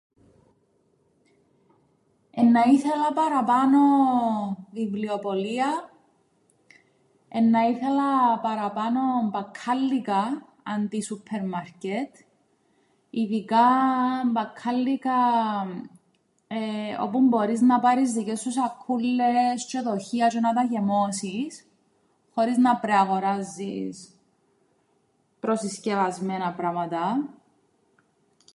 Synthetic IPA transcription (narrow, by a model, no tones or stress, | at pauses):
enːɐiθelɐpɐɾɐpano | vivliopoliɐ | enːɐiθelɐpɐɾɐpanombɐkʰːalːikɐː | nd̪isupʰːeɾmaɾcet̪ | iðikambɐkʰːɐlːikɐ | eo̰pumbo̞ɾiznɐpɐɾizðicest̪us̬ɐkʰːulːest͡ʃoðo̞çiɐt͡ʃonɐt̪ɐʝe̞mosis | xo̞ɾiznɐpɾeaɣoɾazːis | pɾosiscevɐzmenɐpɾɐmɐt̪ɐ